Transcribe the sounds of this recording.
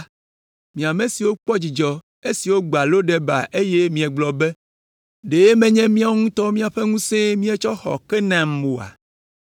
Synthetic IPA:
mĩ˨a˨mẽ˨si˨wo˦k͡pɔ˦d͡ʑi˨d͡ʒɔ˨ | e˦si˨wo˦ɡ͡ba˨lo˦ɖɛ˦ba̰˨ʔe˦je˦mĩ˨ɛ˨ɡ͡blɔ˨be˦ | ɖe˨je˦mɛ̃˦ɲɛ̃˦mĩ˦a˦wo˦ŋũ˦t̪ɔ˦mĩ˦a˨ɸe˦ŋũ˦sẽ˦mĩ˦ɛ˦t͡ʃɔ˦xɔ̰˨kɛ˦nã˨m̩˨o˨a̰˨

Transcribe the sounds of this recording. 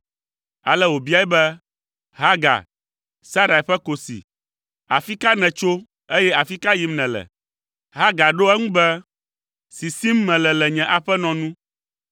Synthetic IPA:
a̰˨lɛ˦wo˨bi˦a˦ɛ˦bɛ˦ | ɦa˦ɡa̰˨ | sa˦ɾa˨i˨ɸɛ˦ko˨sḭ˨ | a˨fi˦ka˦nɛ̃˨t͡ʃo˦ | e˦jɛ˦a˨fi˦ka˦ji˨˦mnɛ̃˨lɛ̰˨ | ɦa˦ɡa˨ɖo˦ɛ˦ŋũ˦bɛ˦ | si˨si˦m˦mɛ̃˨lɛ˨lɛ˨ɲɛ̃˨ʔa˨ɸɛ˦nɔ̃˨nũ˦

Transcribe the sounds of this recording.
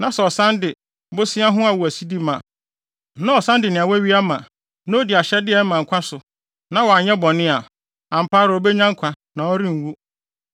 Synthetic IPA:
nã˨sɛ˨ɔ˨sã˦ndɪ˨ | bʊ˦sɪ̃˦a˦ɦʊ̃˦a˨wu˨æ˨si˦di˦mã˨˦ | nã˦ɔ˨sã˦ndɪ˨nɪ̃˨a˨wɛ˦ɥi˦a˦mã˨ | nã˦o˦di˨a˨ɕɛ˦dɪ˦ɛ˨˦mã˨ŋ̩˨kʷʰã˦sʊ˨ | nã˦wɔ˨a˨ɲɛ̃˦bɔ˨nɪ̃˦a˨ | ã˨m̩˨pʰaː˦ɾɪ˨o˨˦be˦ɲã˦ŋ̩˦kʷʰã˨ | nã˨ɔ˦ɾĩ˦ŋ̩˨wu˦

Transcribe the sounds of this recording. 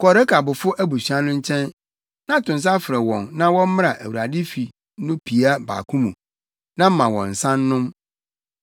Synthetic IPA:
kɔ˨ɾɛ˦kʰa˨bʊ˨fʊ˦ʔæ˦bu˨ɕa˦nʊ̃˦ɲ̩˦t͡ɕʰɛ̃˦n | nã˦tʰʊ̃˨ns̬a˦fɾɛ˨wɔ̃˨nnã˦wɔ̃˦m̩˦m̃˦ɾa˨ʔæ̰˨wu˨a˨dɪ˦fi˨ | nʊ̃˦pʰi˨a˦ba̰ː˨kʰũ˦mũ˨ | nã˦m̩˦mã˨wɔ̰̃˨n̩˨sã˦nːʊ̃˦m

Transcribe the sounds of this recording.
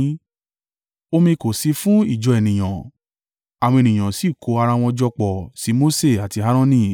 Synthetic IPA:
o˧mĩ˧ko˨si˧˦fũ˦i˦˨d͡ʒɔ˨˧ɛ˨nĩ˨j̃ã˨ | a˨wɔ̃˧e˨nĩ˨j̃ã˨si˦˨kʰo˨˧˦a˧ɾa˧w̃ɔ̃˧d͡ʒɔ˧k͡pɔ˨si˨˦mo˦se˦˨a˨ti˧ɦa˦ɾ̃ɔ̃˦nĩ˦

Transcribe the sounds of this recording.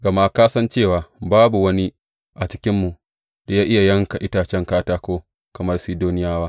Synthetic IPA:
ɡɐ˨ma˦kaː˦sɐ˦nt͡ʃeː˦˨waː˨baː˦bu˨wɐ˦ni˦ | ʔa˨t͡ʃɪ˦kʲɪ˦mːu˨ | da˨jaː˦ʔɪ˦ja˨jɐ˦ŋka˨ʔɪ˦taː˨t͡ʃɛ˦ŋkaː˦taː˦kʷoː˦ | kɐ˨mɐ˦rsiː˦doː˦nɪ˦jaː˦waː˦

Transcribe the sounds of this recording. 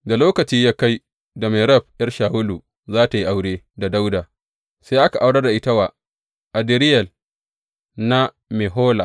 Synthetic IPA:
da˨loː˦kɐ˨t͡ʃiː˦jaː˦ka˦j | da˨me˨ɾɐ˦˨b̚ʔɐ˦rʃaː˨hʊ˦luː˨ | zaː˦ta˨ji˦ʔa˨wɽeː˦ | da˨da˦wdaː˨ | sa˦ʔa˦ka˨ʔa˦wɽɐ˦da˨ʔɪ˦ta˦waː˨ | ʔa˨dɪ˦ɾɪ˦jɐ˨l | na˦ | me˨ɦoː˦la˨

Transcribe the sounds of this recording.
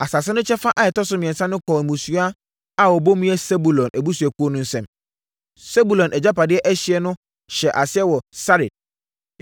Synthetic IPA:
a˨sa˨sɪ˦nʊ̃˦t͡ɕʰɛ˦fa˦ʔa˨ɛ˨tɔ˦sʊ˦mɪ̃˨ɛ̃˨nsã˦nʊ̃˦kʰɔː˨mũ˨su˦a˦ | a˦wɔ˨bo˦mĩ˦ɛ˦sɛ˦bu˨lɔ̃˨nʔæ˨bu˦su˨ɛ˨ku˦o˦nʊ̃˦n̩˦sɛ̃˦m | sɛ˦bu˨lɔ̃˨nʔɛ˨d͡ʑa˦pa˨dɪ˦ɛ˦ʔɛ˦ɕi˦ɛ˦nʊ̃˦ | ɕɛ˨ʔa˨sɪ˦ɛ˦wɔ˨sa˦ɾe˨d̚

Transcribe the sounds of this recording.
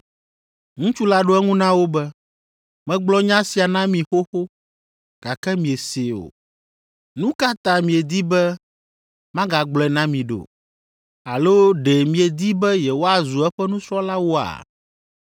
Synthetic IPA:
ŋũ˦t͡ʃu˦la˦ɖo˦ɛ˦ŋũ˦nã˦wo˦bɛ˦ | mɛ̃˦ɡ͡blɔ˦ɲã˦si˨a˨nã˦mĩ˨xo˦xo˦ | ɡ̥a˨kɛ˦mĩ˨e˨se˨o̰˨ | nũ˦ka˦t̪ã˦mĩ˨e˨d̪i˦bɛ˦ | mã˦ɡa˨ɡ͡blɔ˨ɛ˨nã˦mĩ˨ɖo̰˨ | a˨lo˦ɖe˨mĩ˨e˨d̪i˦bɛ˦jɛ˨wo˦a˨zu˨ɛ˦ɸɛ˦nũ˦sɾɔ˦la˦wo˦a̰˨

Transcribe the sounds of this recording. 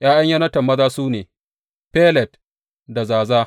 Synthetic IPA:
j̰ʔaː˦jɐ˦ɲjɐ˦nɐ˦tɐ˨mːɐ˦zaː˦suː˦neː˨ | peː˦lɛ˨t̚ | da˨zaː˨zaː˦

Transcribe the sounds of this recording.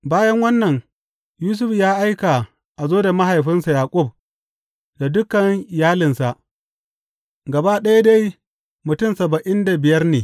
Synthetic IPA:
baː˦jɐ˦ŋwɐ˦nːɐ˨ŋ | juː˦s̬ʊ˦ɸjaː˦ʔa˦jka˨ | ʔa˨zoː˦da˨ma˦ɦa˨jɸɪ˦nsa˨jaː˨kʷʼʊ˦˨b̚ | da˨dʊ˦kɐ˨ŋɪ˨jaː˦lɪ˨nsa˨ʔ | ɡɐ˨ba˦ɗɐ˦ja˦da˦j | mʊ˨tʊ˦˨msɐ˨bɐ˨ʔɪ˦nda˨bɪ˨jɐ˦rneː˨

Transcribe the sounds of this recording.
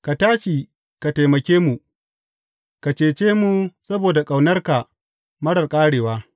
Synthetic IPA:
ka˨taː˦ʃi˨ | ka˨ta˨jmɐ˨kʲeː˦mu˨ | ka˨t͡ʃeː˨t͡ʃeː˦mu˨sɐ˦boː˨da˨kʼa˨wnɐ˦rka˨ | mɐ˦ɽɐ˨rkʼaː˦ɽeː˨waː˦

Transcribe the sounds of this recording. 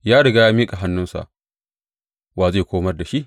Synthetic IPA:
jaː˦ɽɪ˨ɡaː˦jaː˦miː˦kʼa˨ɦa˦nːʊ˦nsa̰˨ʔ | waː˨ze˦˨kʷoː˦mɐ˦rda˨ʃi˦ʔ

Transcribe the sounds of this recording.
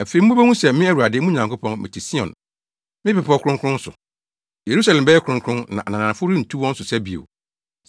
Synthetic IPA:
æ˨fe˨i˨m̩˦u˦bɛ˦ŋũ˦sɛ˨mɪ̃˦æ˦˨wu˨ɾa˨dɪ˦mũ˦ɲã˨ŋko˦pʰɔ̃˦nmɪ̰̃˨tʰi˨si˦ɔ̰̃˨n | mɪ̃˦pɪ˨pɔ˦kʰʊ˦ɾʊ̃˦ŋkʰɾʊ̃˦n̩˦sʊ̰˨ | je˨ɾu˦sa˨lɛ̃˨mbɛ˦jɛ˦kʰɾʊ̃˦ŋkʰʊ̃˦nnã̰˨ʔa˨nã˨nã˨n˨fʊ˦ɾĩ˦n̩˨tʰu˦wɔ̃˦n̩˦sʊ˨sæ˦bi˨o̰˨

